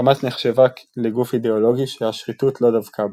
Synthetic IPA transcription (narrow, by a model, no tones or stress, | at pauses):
amat̪neχʃe̞vakleɡufid̪eolo̞ɡiʃehaʃʁitutʰlo̞d̪avkʰa